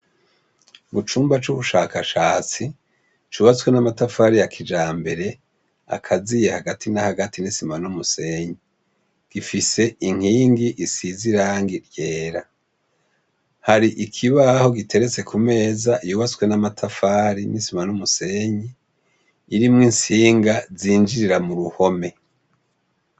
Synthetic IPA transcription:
mut͡ʃuːmbat͡ʃuβuʃaːkaʃaːt͡si | t͡ʃuːβat͡swenamatafaɾijakʰid͡ʒaːmbe̞ɾe̞ | a̰kʰazijehaɡatʰinahaɡatʰinisimanumuse̞ɲi | ɡ̥ifise̞iŋ̥hiːŋɡiʔisiziɾaːŋɡiɾjeːɾa | haɾiʔikʰiβaho̞ɡitʰe̞ɾet͡se̞kume̞ːzaʔijuːβat͡swe̞namatʰafaɾinisimanumuse̞ɲi | iɾimŋinsiːŋɡaziːnd͡ʒiɾiɾamuɾuho̞me̞

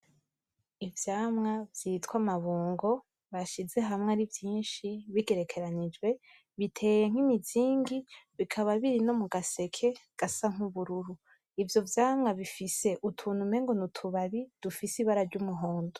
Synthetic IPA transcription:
ivjaːmŋavjiːtwamaβuːŋɡo̞ | βaʃize̞ɦamŋeaɾivjiːnʃiβiɡe̞ɾe̞kʰe̞ɾanid͡ʒɡwe̞ | βitʰe̞ːje̞ŋ̥himiziːŋɡiβikʰaβaβiɾino̞muɡase̞kʰe̞ɡ̥asaŋ̥uβuɾuɾu | ivjo̞vjaːmŋaβifise̞ʔutʰuːn̤̥ume̞ŋɡo̞nutʰuβaβid̥ufisiβaɾaɾɟumuɦoːndo

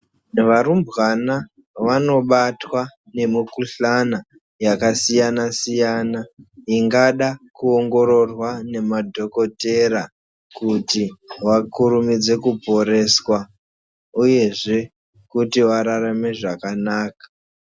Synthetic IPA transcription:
nʋaɾumbwana | ʋano̞ɓatwa | ne̞mikuɬana | jakasijanasijanaiŋɡaɗakuoŋɡo̞ɾo̞rwane̞madʱo̞ko̞te̞ɾa | kutiwakuɾumid͡ze̞kupo̞ɾe̞swa | uje̞ʐe̞ | kutiwaɾaɾameʐakanaːkḁ

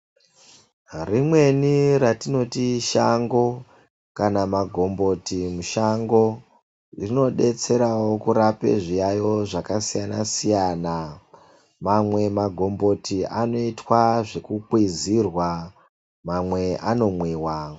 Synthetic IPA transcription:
rimwe̞niɾatino̞tiʃaŋɡo̞ | kanamaɡʱo̞mbo̞timuʃaŋɡo̞ | rino̞ɗe̞t͡se̞ɾawo̞kuɾape̞̰ʐijajo̞ʐakasijanasijana | mamwe̞maɡʱo̞mbo̞tiano̞itwaʐe̞kukwizirwa | mamwe̞ʔano̞mwiːwa

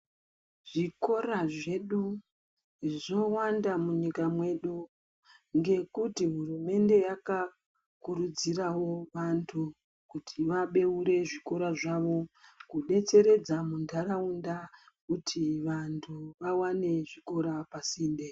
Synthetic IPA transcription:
ʐ̥iko̞ɾaʐe̞ɗu | ʐo̞wandamuɲikamwe̞ɗu | ŋɡe̞kutiɦurume̞nde̞jaka | kuɾud͡zirawo̞ʋantʰu | kutʰiʋaɓe̞uɾe̞ʐiko̞ɾaʐaʋo̞kuɗe̞t͡se̞ɾe̞d͡zamundʰʱaɾaunda | kutʰiʋantʰuʋawane̞ʐiko̞ɾapasiːnde

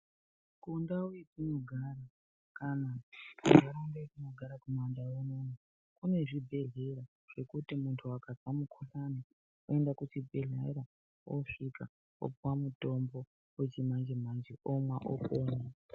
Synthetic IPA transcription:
kundauid͡zino̞ɡʱaɾa | kanakuɡʱaɾaundaikino̞ɡʱaɾakumandawunona | kune̞ʐibʱe̞ɮe̞ɾa | ʐ̥e̞kutimuntʰuakad͡zamukʰuɬane | oe̞ndakut͡ʃibʱeɮa̰iɾa | wʔo̰ʂika | o̰pwamuto̞mbo̞ | wet͡ʃimand͡ʒem̤and͡ʒeʔomwaʔo̰koːna

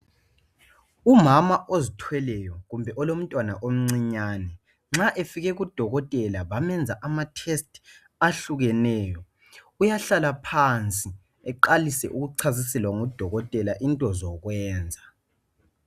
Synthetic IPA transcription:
umamaʔozitʰwɛlɛjɔɣumbʱɛʔɔlom̩tʼwanaʔom̩ŋ͡ǀiɲaːnɛ | ŋ͡ǁaʔefiɣɛɣud̥ʱɔɣɔtʼɛlaβamɛnd͡zʱaʔamatʰɛstʰʼ | aɬuɣɛnɛːjɔ | ujaɬalapʰant͡sʼi | ɛǃalisɛ̰ʔuɣuǀʰazisɛlwaŋud̥ʱɔɣɔtʼɛlaʔintʼɔzɔɣwɛːnd͡zʱa

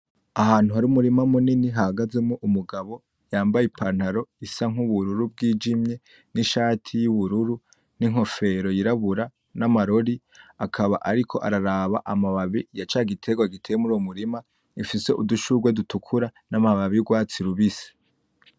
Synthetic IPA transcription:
aɦaːn̥uhaɾiumuɾimamuniniɦahaɡaze̞muʔumuɡaβo̞ | jaːmbajipʰan̥haɾo̞isaŋ̥uβuɾuɾub̚ɡiːd͡ʒimɲe̞ | niʃaːtʰijuβuɾuɾu | niŋo̞fe̞ɾo̞jiɾaβuɾa | namaɾo̞ɾi | akʰaβa̰ʔaɾikʰo̞ʔa̰ɾaɾaβa̰ʔamaβaβijat͡ʃaɡitʰe̞ɡwaɡitʰe̞muɾuwomuɾima | ifise̞ʔuduʃuɡwedutukʰuɾanamaβaβijuɡwaːt͡siɾuβise̥

